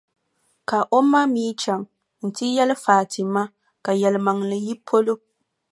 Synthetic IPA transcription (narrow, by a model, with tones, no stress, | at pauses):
ka˨ʔo˦mːa˦miː˦t͡ʃa˨ŋ | n̩˨ti˦jɛ˦lfaː˨tɪ˨mːa˦ | ka˨jɛ˨lma˨ŋlɨ˨ji˦pʰo˦lo˦